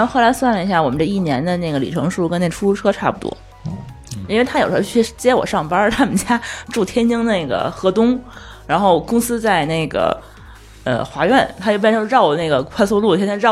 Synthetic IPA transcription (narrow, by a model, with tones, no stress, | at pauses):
xo˥˩la˧˥ɪswa˥˩nlə˩i˧˥ɕja˥˩wɔ˨˩mə˦nʈ͡ʂə˥˧i˥˩njɛ˧˥nd̪ə˧ne˥˩ɡə˩lḭ˨˩ʈ͡ʂʰɤ̰˧˥ŋʂu˥˩kə˥ne˥˩ʈ͡ʂʰu˥lu˥ʈ͡ʂʰɤ˥ʈ͡ʂʰa˥˩pu˨˩t̪wɔ̰˥ | i˥nwe˥˧ɪt̪ʰa˥jʂ̩˧˥t͡ɕʰy˥˩ʂt͡ɕjɛ˥wɔ̰˨˩ʂɑ˥˩ŋpɐ˥t̪ʰa˥mə˨˩t͡ɕja˥ʈ͡ʂu˥˩t̪ʰjɛ˥nt͡ɕi˥ŋne˥˩ɪɡə̰˩xɤ˧˥t̪ʊ˥ŋ | ɻa˧˥nxo˥˩ʊkʊ˥ŋsɹ̩˥t͡sa˥˧ɪne˥˩ɪɡə̰˩ | ə̰˧xwa˧˥ɥɛ˥˩nt̪ʰa˥jp̬nʰ˧˥ɑ˥˩ʊ˨˩ne˥˩ɡə˩kʰwa˥˧ɪsu˥lu˥˩˥ɑ˥˩